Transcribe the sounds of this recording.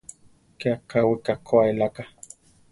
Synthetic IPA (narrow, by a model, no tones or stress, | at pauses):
keakːawikakʰːoaelaka